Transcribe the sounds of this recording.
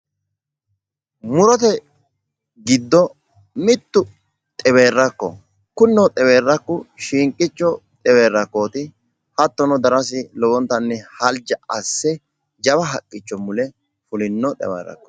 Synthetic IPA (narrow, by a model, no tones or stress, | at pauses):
mʊɾɔt̪ɛ | ɡɪd̪ːɔ | mɪt̪ːʊ | t̪ʼɛβe̞ːrːɐkːɔ̰ | kʊnːɔt̪ʼɛweːrːɐkːʊʃiːŋkʼːɪt͡ʃːɔt̪ʼɛwe̞ːrːɐkːoːt̪ɪ | hɐt̪ːɔnɔd̪ɐɾɐs̬ɪlɔwɔnt̪ːɐnːɛhɐld͡ʒɐɐsːɛ | d͡ʒɐβɐɦɐkʼːɪt͡ʃːɔmʊlɛ | fʊlɪnːɔt̪ʼɛ̰wḛːɾːɐ̰kːɔ̥